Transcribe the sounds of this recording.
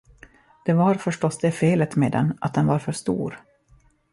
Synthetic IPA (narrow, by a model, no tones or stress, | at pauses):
d̪̥ɛvaɾfœʂʈɔsd̪ɛfeːlət̪meːd̪ɛ̰nːʔat̪̚d̪ɛnvaɾfœʂt̪ṵːɾ